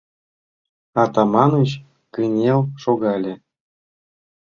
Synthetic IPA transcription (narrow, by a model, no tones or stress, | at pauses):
ɑt̪ɑmɑnut͡ɕ | kɯnʲewʃoɣɑlʲĕ